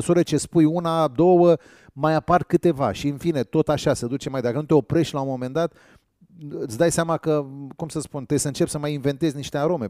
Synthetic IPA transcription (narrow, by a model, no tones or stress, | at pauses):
suɾət͡ʃe̞spujunad̪o̞wə | majaparkɨt̪e̞va̰ʃiɨnfine̞t̪o̞t̪aʃased̪ut͡ʃemajd̪akənut̪eo̞pɾe̞ʃt̪ʲlaumo̞me̞nd̪at̪ | ɨt̪sʲd̪ajseamakəkumsəspunt̪esɨnt͡ʃe̞psəmajinve̞nt̪e̞zʲniʃt̪eaɾo̞me̞